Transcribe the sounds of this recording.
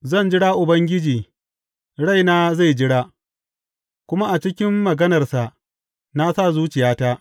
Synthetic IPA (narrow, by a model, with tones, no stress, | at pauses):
zɐ˦˨nd͡ʒɪ˦ɽaː˦ʔʊ˨bɐ˦ŋɡʲɪ˦d͡ʒiː˨ | ɽa˦jnaː˦za˦˨jd͡ʒɪ˦ɽaː˦ | kʷʊ˦ma˦ʔa˨t͡ʃɪ˦kʲɪ˦mːɐ˨ɡɐ˦nɐ˨rsa˨ʔ | na˦sa˦˨zuː˦t͡ʃɪ˨jaː˦taː˦